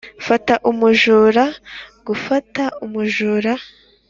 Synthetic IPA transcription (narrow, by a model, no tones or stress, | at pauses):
fataʔumuʒuːɾaɡufataumuʒuːɾa